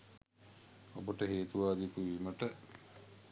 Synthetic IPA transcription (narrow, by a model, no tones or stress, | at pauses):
obəʈəɦeːt̪uʋaːd̪ipuʋiməʈə